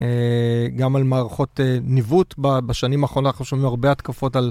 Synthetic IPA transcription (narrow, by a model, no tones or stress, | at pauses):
eɡamalmaːʁaχo̞tenivutbabaʃanimaːχʁononaχnuʃomimaʁbeat̪kafo̞tal